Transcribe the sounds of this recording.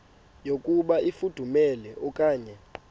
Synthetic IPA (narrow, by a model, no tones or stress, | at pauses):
jokʼuɓaifud̥ʱumɛlɛʔɔkʼaːɲɛ